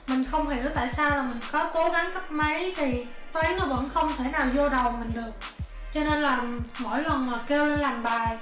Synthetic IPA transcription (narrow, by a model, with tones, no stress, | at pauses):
mï˨˩ŋ̟xə˧wŋ͡mhi˧˩əwt̪a̰ː˧˨jsaː˧wlaː˨˩mï˨˩ŋ̟kɔ˨˦ko˨˦ɣa˨˦ŋk̪ʰa˦˥k̚mə˨˦jt̪ʰi˨˩ | t̪waː˨˦nnɔ˨˦və̰˧˥nxə˧wŋ͡mt̪ʰe˧˩naː˨˩wzo˧ɗə˨˩wmï˨˩ŋ̟ɗɨ˨˩ək̚ | t͡ɕɔ˧ne˧nlaː˨˩mo̰˧˥˨jlwə˨˩nmaː˨˩ke˧wle˧nlaː˨˩mɓaː˨˩j